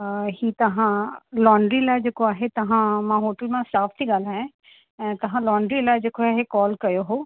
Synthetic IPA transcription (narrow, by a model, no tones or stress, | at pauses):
hit̪ɐɦãlɔːɳɖɾilad͡ʒeːkoaːɦet̪ɐɦãmãɦoːʈəlmãsaːfʰt̪ʰiɠaːlaẽ | ɛ̃t̪ɐɦãlɔːɳɖɾilad͡ʒeːkoaːɦekɔːlkɐjoɦoː